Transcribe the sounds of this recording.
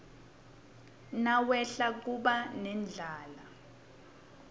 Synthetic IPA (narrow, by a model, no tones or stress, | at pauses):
nawɛɬak̬uɓanɛnd͡ɮʱaːla